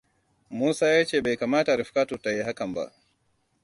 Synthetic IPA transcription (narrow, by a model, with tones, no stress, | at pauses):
muː˦saː˦ja˦t͡ʃe˨ba˨jka˨maː˦taɾifka˦tuta˨je˦ɦa˦ka˨mba̰˨